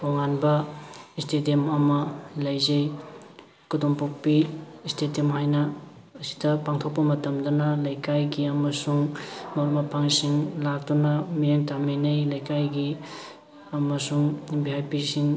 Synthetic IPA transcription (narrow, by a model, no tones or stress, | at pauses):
oŋanbɐistetemɐmɐlɐjzej | kudompok̚piːstetemhajnɐː | si̥dɐpaŋtʰok̚pɐmɐtɐmdunɐlɐjkajɡiɐmɐsuŋmɐɾmɐpʰaŋsiŋlak̚dunɐmijeŋtaminejlajkajɡi | ɐmɐsuŋbiɦajpisiŋ